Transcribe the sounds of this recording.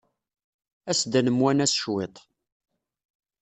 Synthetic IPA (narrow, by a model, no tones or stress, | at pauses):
æsd̪ænəmwænæsʃwet̪ˤ